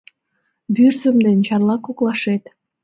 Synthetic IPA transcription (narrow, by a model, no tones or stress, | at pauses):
βyrzə̆md̪ent͡ɕɑrlɑkoklˠɑʃet̪